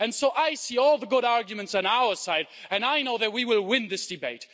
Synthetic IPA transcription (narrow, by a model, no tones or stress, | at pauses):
ɨ̃nsoʊʔaɪsiɔlˠðəɡʊɾaɹɡjɨmɨ̃ntsɑ̃naʊə˞saɪɾɨ̃naɪnoʊðɨt̚wiwɪlˠwɪ̃nðɪsd̥ɨbeɪt